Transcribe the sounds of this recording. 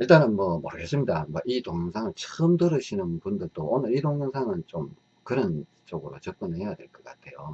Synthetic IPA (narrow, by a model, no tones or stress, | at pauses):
iɭt͈anɯnmʌmʌɾɯɡes͈ɯmɲidamwʌʔidoŋjɯŋsʰaŋɯɭt͡ɕɯɯmdɯɾɯɕʰinɯnpundɯɭt͈oʔonɯɾidoŋjɯŋsʰaŋɯnt͡ɕom | kɯɾʌn | t͡ɕ͈ʌɡɯɾot͡ɕɯk͈ɯnejadweɭk͈ʌk͈atʰe̞jo